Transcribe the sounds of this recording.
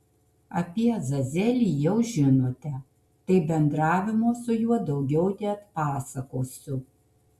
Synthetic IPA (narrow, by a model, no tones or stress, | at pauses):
ɐpʲiɛzɐzʲɛlʲiːjɛʊʒʲɪnoːt̪ʲɛ | t̪ɐɪbʲɛnd̪ɾɑːʋʲɪmoːsʊjuɔd̪ɐʊɡʲɛʊt̪ʲɪɐt̪pɑːsɐkoːsʲʊ